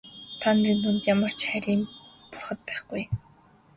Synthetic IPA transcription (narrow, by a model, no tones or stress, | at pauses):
t̪ʰanɾiːnt̪ʰunt̪jamə̆r̥t͡ɕχæɾʲiːmpʊrχə̆t̪̚pæːχɡuj